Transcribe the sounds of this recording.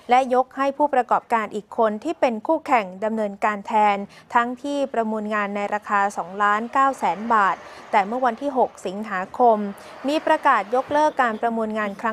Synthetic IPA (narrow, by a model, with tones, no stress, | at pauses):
lɛ˦˥ʔjo˦˥k̚ha˥˩jpʰuː˥˩pɾa˧kɔː˨˩p̚kaː˧nʔiː˨˩kʰːo˧nt̪ʰiː˥˩pe˧nkʰuː˥˩kʰɛ˨˩ŋda˧mnɤː˧nkaː˧nt̪ʰɛː˧nt̪ʰa˦˥ŋt̪ʰiː˥˩pɾa˧muː˧nŋaː˧nːa˧jɾaː˧kʰaː˧sɔː˩˦ŋlaː˦˥nkaː˥˩wsɛː˩˦nbaː˨˩t̪̚ːɛː˨˩mɯ˥˩wa˧nt̪ʰiː˥˩ɦo˨˩k̚si˩˦ŋɦaː˩˦kʰo˧mː | iː˧pɾa˧kaː˨˩t̪̚jo˦˥k̚lɤː˥˩kːaː˧npɾa˧mu˧nŋaː˧nkʰɾa˦˥